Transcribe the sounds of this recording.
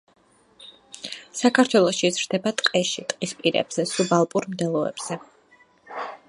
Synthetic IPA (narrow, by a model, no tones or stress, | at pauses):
sakʰaɾt̪ʰwɛlˠɔʃizɾd̪ɛbat̪ʼqʼɛʃit̪ʼqʼispʼiɾɛ̰b̥z̥ɛsubalˠpʼuɾmd̪ɛlˠɔɛ̰b̥z̥ɛ